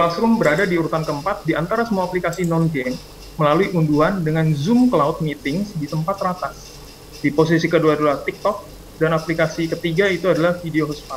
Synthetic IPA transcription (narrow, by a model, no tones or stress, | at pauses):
plasɾʊmbəɾadadiuɾut̪ankəmpat̪̚diʔant̪aɾasəmuaːplikasinɔnɡɛm | məlaluiʔunduɦandəŋanzumklaʊt̪̚mit̪ɪŋsdit̪əmpat̪ɾat̪as | dipos̬isikəduaduaht̪ɪk̚t̪ɔk̚ | danaplikasikət̪iɡait̪uadalahfideoɦɔspa